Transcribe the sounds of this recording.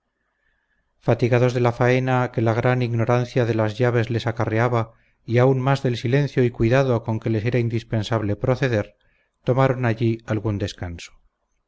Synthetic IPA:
fat̪iɣaðo̞zðe̞lafae̞nake̞laɣ̞ɾaniɣno̞ɾanθjaðe̞lazʝaβ̞e̞zle̞sakareaβa | iaunmazðe̞lsile̞n̟θjoikwiðaðo̞ko̞ŋke̞le̞se̞ɾaind̪ispe̞nsaβle̞pɾo̞θe̞ðe̞ɾ | t̪o̞maɾo̞naʎialɣund̪e̞skanso̥

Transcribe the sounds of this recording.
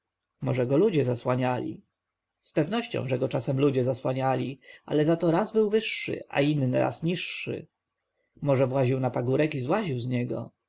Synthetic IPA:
mɔʐɛɡɔlud͡ʑɛzaswaɲalʲḭ | spɛvnɔɕt͡ɕɔ̰̃w̃ʐɛɡɔt͡ʂasɛmlud͡ʑɛzaswaɲalʲia̰lɛzat̪ɔɾazbɘwvɘʂːɨɘ̰ʔa̰inːɘɾa̰sɲiʂːɘ̰ | mɔʐɛvwaʑiwnapaɡuɾɛkizwaʑiwzɲɛɡɔ̰

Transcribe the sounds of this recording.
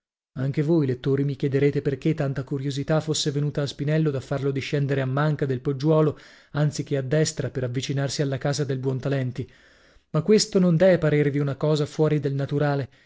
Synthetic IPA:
aŋk̟evojlet̪ːoːɾimik̟jɛd̪eɾeːt̪eperk̟et̪ːant̪akuɾjozit̪afːosːevenuːt̪aːspinɛlːod̪afːarlod̪iʃːɛnd̪eɾeamːaŋkad̪elpod͡ʒːwɔːlo | ant̪sik̟ead̪ːɛst̪ɾapeɾavːit͡ʃinarsialːakaːzad̪elbwɔnt̪alɛnt̪i | makːwest̪onond̪ɛvepaɾeːɾviunakɔːzafwɔːɾid̪elnat̪uɾaːle

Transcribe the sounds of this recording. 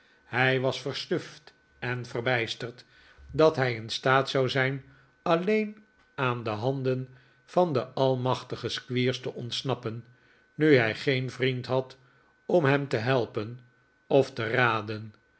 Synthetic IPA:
hɛjʋɑsfərsnɵft | ɛnvərbɛjstərt | dɑtɦɛjɪnstaːtsɑwzɛjn | ɑlejn | aːndəɦɑndən | v̥ɑndəʔɑlˠmɑχtəχəskʋiːɹstəʔɔntsnɑpənː | yɦɛjχejnvrintɦɑt | ɔmɦɛmtəɦɛlˠpən | ɔftəraːdən

